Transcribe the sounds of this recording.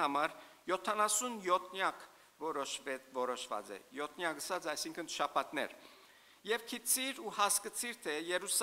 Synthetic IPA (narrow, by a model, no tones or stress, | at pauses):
hɑmɑɾjɔt̪ʰɑnɑsunjɔt̪ʰnjɑkʰ | vɔɛvɔɾɔʃvɑ̰t͡sɛ̰jɔt̪ʰnjɑkəsɑt͡sɑjsiŋkʰənʃɑpʰɑt̪nɛ̰ɾ | jɛvkʰit͡sʰiɾuhɑskət͡sʰiɾt̪ʰɛjɛɾus